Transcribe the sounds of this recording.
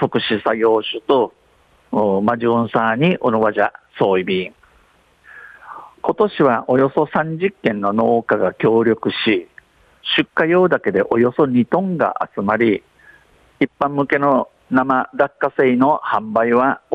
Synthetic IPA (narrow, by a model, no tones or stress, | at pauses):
t̪o̞kɯ̟ɕisaɡʲo̞ːɕɨt̪o̞ | maʑiõɰ̃saːɲ̟iʔonoβaʑaso̞ːibʲiŋ | ko̞t̪o̞ɕiβaʔo̞jo̞so̞sãɲ̟d͡ʑikːẽ̞nːo̞no̞ːkaɡakʲo̞ːɾʲo̞kɯ̟ɕi | ɕɨkːajo̞ːd̪ake̞d̪e̞ʔo̞jo̞so̞ɲ̟it̪õ̞ŋɡa̰ʔa̰t͡sɨmaɾʲi | ipːãmːɯ̟ke̞no̞ | namad̪akːase̞ino̞hãmbaiβa